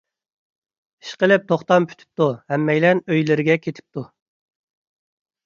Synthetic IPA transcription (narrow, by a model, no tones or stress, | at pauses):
i̥ʃqəlɪp̚t̪ʰoχt̪ɑmpʰy̥t̪ʰy̥p̚t̪uhɛmːɛjlɛnøjlɪɾɪɡʲɛkʲʰet̪ʰɪ̥p̚t̪ʰu